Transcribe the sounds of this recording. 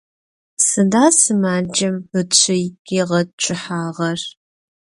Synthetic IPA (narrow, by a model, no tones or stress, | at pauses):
sɨndaːsɨmaːd͡ʒɐmbɨt͡ɕʷʰɪjiʁɐd̚t͡ʃʷʼʰɪħaːʁɐr